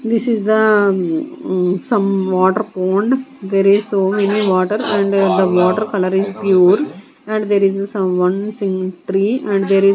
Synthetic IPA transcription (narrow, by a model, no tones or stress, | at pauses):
d̪ɪsizd̪ə | sɐ̃mʋɔːʈəɾpõːɳɖd̪eːɾizsoːmeniʋɔːʈəɾɛ̃ɳɖd̪əʋɔːʈəɾkɐləɾizpjuːɾ | ɛ̃ɳɖd̪eːɾizsɐ̃ʋʌ̃nsĩŋʈɾiːɛ̃ɳɖd̪eːɾi